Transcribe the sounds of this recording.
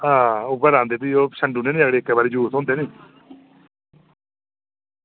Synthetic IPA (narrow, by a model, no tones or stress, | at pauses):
ɦãːʊbəɾãːnd̪eːt̪̬iːoːʃəɳɖuːneːnĩːəɡɽeːkːɛːbaːɾiːd͡ʒuːt̪ʰõːnd̪eːnĩː